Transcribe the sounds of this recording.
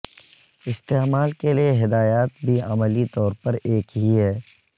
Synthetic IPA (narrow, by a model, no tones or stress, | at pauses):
ɪst̪eːmaːlkelieɦɪd̪aːjaːt̪̚bʱiɐməlit̪ɔːɾpɐɾeːkɦiɦɛː